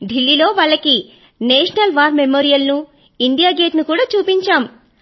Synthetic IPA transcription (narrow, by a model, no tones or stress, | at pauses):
ɖ̪ʱilːilo̞ːʋɐɭːɐki | neːʃɐnɐlʋaːɾmemoːɾijɐlnu | iɳɖ̪ijaːɡe̞ːʈnukuːɽaːt͡ʃuːpiɲt͡ʃaːm